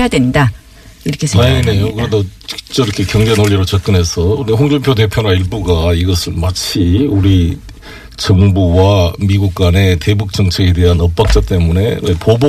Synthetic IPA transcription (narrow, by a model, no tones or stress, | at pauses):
jadwenda | iɾʌkʰesene̞okɯɾedo̥t͡ɕ͈ʌiɾʌkʰe̞kjʌŋd͡ʑenoɭːiɾot͡ɕak͈ɯnɦe̞sʰʌuɾiɸoŋd͡ʑoŋpʰjode̞pʰjonwaiɭbuɡaiɡʌsʰɯɭmat͡ɕʰiuɾi | t͡ɕʌŋbuwamiɡuk̚k͈wane̞te̞buk̚t͡ɕ͈ʌŋt͡ɕʰeɡe̞de̞ɦanʌp̚p͈ak̚t͡ɕ͈at͈e̞mune̞epob